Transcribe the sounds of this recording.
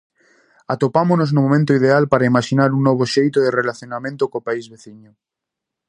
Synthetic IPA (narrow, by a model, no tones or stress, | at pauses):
at̪opamonoznomomẽnt̪oið̞ealpaɾaimaʃinaɾuŋnɔβ̞oʃejt̪oðerelaθjonamẽnt̪okopaizβeθiɲo